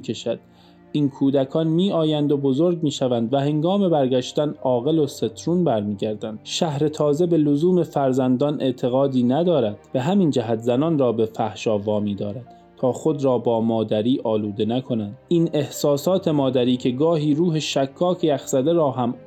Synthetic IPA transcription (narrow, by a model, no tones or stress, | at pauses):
kʰeʃæd̪̥ | iːnkʰuːd̪ækʰɒːnmiːɒːjænd̪o̞bo̞zoɾɡmiːʃævænd̪væhe̞ŋɡɒːme̞bæɾɡæʃt̪ænʔɒːɣe̞lo̞se̞t̪ʰɾuːnbæɾmiːɟæɾd̪ænd̪̥ʃæhɾe̞t̪ʰɒːze̞be̞lozuːme̞fæɾzænd̪ɒnʔe̞ʔt̪ʰe̞ɣɒːd̪iːnæd̪ɒːɾæd̪̥b̥e̞ɦæmind͡ʒæɦæt̪zænɒːnrɒːbe̞fæhʃɒːvɒːmiːd̪ɒːɾæd̪̥ | t̪ʰɒːxo̞d̪ɾɒːbɒːmɒːd̪æɾiːʔɒːluːd̪e̞nækʰo̞nænd̪̥iːne̞hsɒːsɒːt̪ʰe̞mɒːd̪æɾiːcʰe̞ɡɒːɦiːɾuːɦe̞ʃækʰːɒːkʰejæxz̥æd̪e̞ɾɒːɦæm